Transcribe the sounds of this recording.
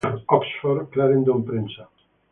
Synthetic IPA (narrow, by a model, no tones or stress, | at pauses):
ɔksfɔɾklaɾend̪ompɾensa